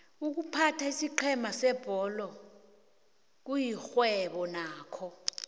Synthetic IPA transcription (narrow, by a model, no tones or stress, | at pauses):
uk̬upʰatʰaisiǃʰɛmasɛb̥ʱɔlɔ | k̬ujixwɛɓɔnaːkʰɔ